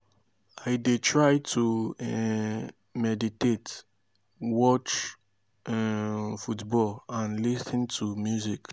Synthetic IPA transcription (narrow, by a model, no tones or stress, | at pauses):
aɪdetɹajtʰuɛ | mɛditet | wɔt͡ʃ | ɛfutbɔlãnlisə̃ntʰumjuzik